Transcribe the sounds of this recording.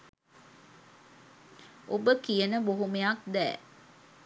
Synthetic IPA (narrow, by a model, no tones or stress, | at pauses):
ʔobəkijənəboɦumejakd̪ɛ̰ː